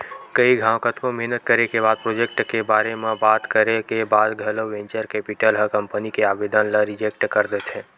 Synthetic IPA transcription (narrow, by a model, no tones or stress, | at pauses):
kəiɡʱãːwkət̪komɛɦnət̪kəɾekebaːd̪̚pɾoːd͡ʒek̚ʈkebaːɾemẽbaːt̪kəɾekebaːd̪ɡʱələʋẽɲt͡ʃəɾkɛpɪʈəlɦəkəmpənikeaːbed̪ənləɾɪd͡ʒek̚ʈkəɾd̪et̪ɦɛ̃ː